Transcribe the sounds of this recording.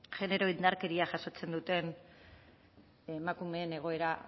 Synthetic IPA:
ʝe̞ne̞ɾo̞innd̪aɾkeɾiaʝaso̞t͡se̞nd̪ut̪e̞n | emakume̞ːne̞ɣ̞o̞e̞ɾa

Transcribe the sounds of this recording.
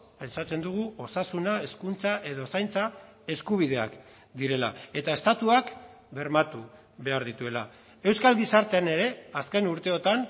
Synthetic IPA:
pe̞nsat͡se̞nd̪uɣ̞uo̞sasunae̞skunt͡saʔe̞ðosajnt͡sa | e̞skuβ̞ið̞e̞a̰k | d̪iɾe̞la̰e̞t̪ae̞st̪at̪uak | be̞ɾmat̪u | βe̞aɾðit̪ue̞la | e̞wskalɡisaɾt̪e̞ane̞ɾe̞aske̞nuɾt̪e̞o̞t̪an

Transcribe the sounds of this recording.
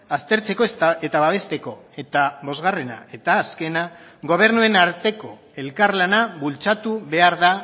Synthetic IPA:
ast̪e̞ɾt͡se̞ko̞st̪ae̞t̪aβaβ̞e̞st̪e̞ko̞e̞t̪aβo̞zɣare̞na̰e̞t̪aːske̞na | ɣo̞β̞e̞ɾnue̞naɾt̪e̞ko̞ | e̞lkaɾlanaβult͡sat̪uβe̞aɾða

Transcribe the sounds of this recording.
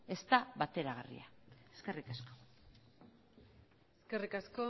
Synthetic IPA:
e̞st̪aβat̪e̞ɾaɣ̞arḭaeske̞rikasko̥ | eskerikasko

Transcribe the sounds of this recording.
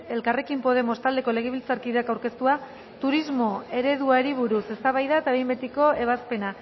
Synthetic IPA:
e̞lkarekimpo̞ð̞e̞mo̞st̪ald̪e̞ko̞le̞ɣ̞eβilt͡saɾkiðeakawɾke̞st̪ua | t̪uɾizmo̞e̞ɾe̞ðuaɾiβuɾuse̞st̪aβajðaet̪aβejmbet̪iko̞e̞β̞aspe̞na

